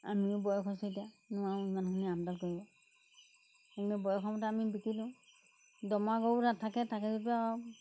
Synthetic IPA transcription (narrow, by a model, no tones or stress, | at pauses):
a̰mibɔjɔkʰɔsɔtijanʊwaɹimankʰaniamdalkoɹibɔ | hɔŋnɛbɔjɔkʰɔmɔtaːmibikidĩʊ̃ | dɔmaɡownatʰːakɛtʰakɛzɔta